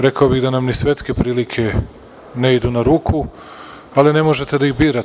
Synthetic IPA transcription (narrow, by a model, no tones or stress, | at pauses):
ɾe̞kaobiɣd̪anamnisʋe̞t̪ske̞pɾiːlikʰe̞ | neid̪unaɾuːkʰu | aline̞moʒe̞t̪ed̪aiɣbiːɾa